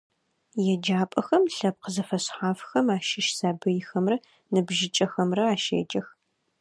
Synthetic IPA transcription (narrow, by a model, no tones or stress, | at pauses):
jɛd͡ʒaːpʼɐxɐmɬɐp̚qəzɐfɐɕħaːfxɐmaːʃɪʃsaːbɨjɪxɐmrɐ | nɨbʒɪt͡ʃʼɐxɐmrɐaːʃḛːd͡ʒʼɐx